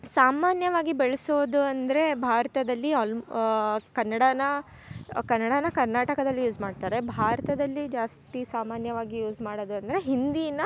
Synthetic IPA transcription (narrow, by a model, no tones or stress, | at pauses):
saːmaːnjɐʋaːɡibeɭɐsoːd̪uɐnd̪ɐɾe̞bʱaːɾɐt̪ɐd̪ɐlːiɐl | kɐnːɐɽɐnɐ | kɐnːɐɽɐnɐkɐɾnaːʈɐkɐd̪ɐlːijuːd͡ʒmaːɖt̪aːɾe̞bʱaːɾɐt̪ɐd̪ɐlːid͡ʒaːst̪isaːmaːnjɐʋaːɡijuːd͡ʒmaːɽoːd̪uɐnd̪ɐɾe̞ɦind̪ijnːɐ